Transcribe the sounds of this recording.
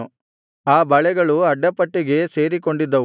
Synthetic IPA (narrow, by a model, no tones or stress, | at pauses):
u | aːbɐɭɛɡɐɭuɐɖːɐpɐʈːiɡe̞se̞ːɾik̬o̞ɳɖid̪ːɐ